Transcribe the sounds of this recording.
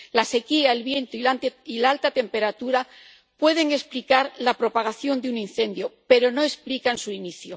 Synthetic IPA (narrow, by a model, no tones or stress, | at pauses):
lase̞kiaelβje̞nt̪oiilalt̪at̪e̞mpe̞ɾat̪uɾa | pwe̞ð̞e̞ŋe̞splikaɾlapɾo̞paɣ̞aθjo̞nd̪unin̟θe̞nd̪jo̞pe̞ɾo̞no̞e̞splikansuiniθjo